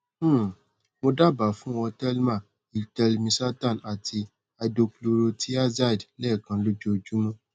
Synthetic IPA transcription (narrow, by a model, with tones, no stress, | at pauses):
mo˧da˦˨ba˨fũ˦ɔ˧tɛ˦lmã˦˨ | i˨tɛ˧lmĩ˧sa˦tã˦˨na˨tʰi˧ | a˧do˧klo˧ɾo˧tʰi˦a˦za˦i˨dlɛ˦˨kã˧lo˦d͡ʒo˦o˧˨d͡ʒu˦mũ˦